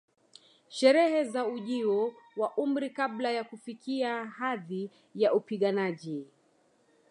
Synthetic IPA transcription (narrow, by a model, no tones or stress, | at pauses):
ʃɛɾɛɦɛzauʄiɔ | waʔum̩ɾikaɓlajakufikiahaði | jaupiɠanaʄi